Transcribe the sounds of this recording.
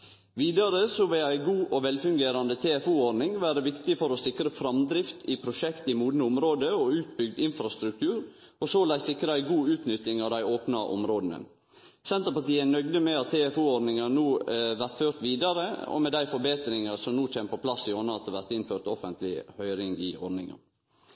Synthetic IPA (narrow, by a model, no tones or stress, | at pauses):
ʋiːd̪ɑɾəsɔʋɪlæɪɡuːʔɔʋɛlfʉŋɡeːɾɑnd̪ət̪ʰeːɛfuɔɖnɪŋʋæːɾəʋɪkt̪ɪfɔɾɔsɪkɾəfɾɑmd̪ɾɪft̪ʰɪpʰɾʊʃɛkt̪ɪmuːd̪nəʊmɾoːd̪əɔʉːt̪̚bʏɡ̚d̪ɪnfɾɑst̪ɾʉk̚t̪ʰʉːɾ | ɔsoːlæɪsɪkːɾəæɪɡuːʉːt̪nʏt̪ːɪŋɑʋd̪æɪoːpnɑʔɔ̰mɾoːd̪nə̰ | sɛnt̪əɾpɑʈ̪iːənœɡd̪əmɛɑt̪ʰːeːɛfuːɔɖnɪŋɑnuːʋæɾt̪føːɾt̪ʋiːd̪ɑɾəɔ̰mɛd̪æɪfɔɾbeːt̪ɾɪŋɑsɔmnuːt͡ʃʰeːmpʰɔpʰlɑsːɪoːnɑt̪ʰəʋæɾt̪ɪnføːʈt̪ɔfənt̪lɪ̰hœʏɾɪŋɪ̰ɔ̰ɾɖnɪ̰ŋɑ̰